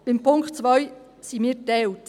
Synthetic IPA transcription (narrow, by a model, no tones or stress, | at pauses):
b̥ɪmpʰʊŋktt͡svœʏ | siːmiːɾtɛwt